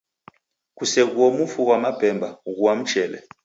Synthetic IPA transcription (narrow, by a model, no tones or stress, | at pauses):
kusɛɣ̬uɔmufukwamab̥ʱɛmbʱaɣuwam̩t͡ʃɛːlɛ̰